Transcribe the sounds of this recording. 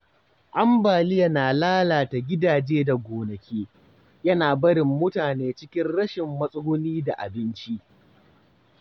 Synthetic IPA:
ʔa˦mbaː˨li˦jɐ˦naː˨laː˦laː˨ta˨ɡʲɪ˦daː˨d͡ʒeː˦da˨ɡʷoː˨nɐ˨kʲʰeː˦ | jɐ˦naː˨bɐ˦ɽɪ˨mːʊ˦taː˨neː˦t͡ʃɪ˦kʲɪ˦nɽɐ˦ʃɪ˨mːɐ˦sʼʊ˦ʊ˦niː˦da˨ʔa̰˨bɪ˦nt͡ʃi˦ʔ

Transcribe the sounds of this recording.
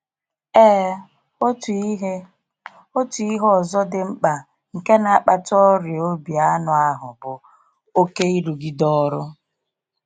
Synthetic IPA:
ɛː˦ | o˦tu˨i˦ɦɔ˨zɔ˦dɪ˨m̩˦k͡pa˨ | ŋ̩˨ke˦na˨˦k͡pa˨tɔ˦ɾɪ˨o˦bi˨a˦nʊ˨a˦ɦʊ̰˨bʊ˨ | o˦ke˦i˦ɾu˨ɡi˦dɔ˦ɾʊ˦

